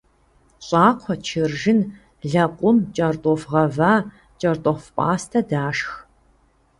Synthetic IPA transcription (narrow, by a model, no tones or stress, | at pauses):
ɕʼaːqʷʰɔt͡ʃʰɪrʒɪn | ɮɐqʷʼʊmt͡ʃʼɐrtʼɔfʁɐvaː | t͡ʃʼɐrtʼɔfpʼa̰ːstʰɐdaːʂx